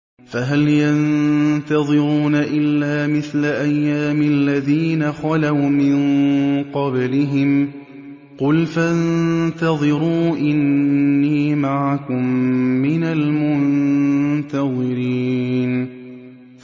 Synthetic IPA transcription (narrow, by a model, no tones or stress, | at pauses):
faɦaljant̪ɑðˤɨɾuːnaʔɪlːaːmɪθlaʔajːaːmɪlːaðiːnaxɑlawmɪnqɑblɪɦɪm | qʊlfant̪ɑðˤɨɾuːʔɪnːiːmaʕakʊmːɪnalmʊnnt̪ɑðˤɨɾiːn